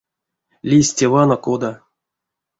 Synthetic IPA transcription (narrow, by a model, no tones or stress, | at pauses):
lʲisʲtʲevɑnokod̪a